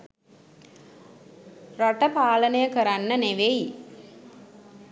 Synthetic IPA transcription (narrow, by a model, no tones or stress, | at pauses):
raʈəpaːlənəjəkəɾanːəneʋej